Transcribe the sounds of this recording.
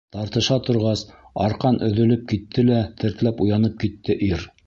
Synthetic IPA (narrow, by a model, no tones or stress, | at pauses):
t̪ɑɾt̪ɤ̆ʃɑt̪ŏɾʁɑsɑ̰ɾqɑnʔɵ̆ðɵ̆lɘp̚kit̪ʰːɘlæt̪ʰɘ̆ɾt̪læpujɑnɤp̚kit̪ːɘʔiɾ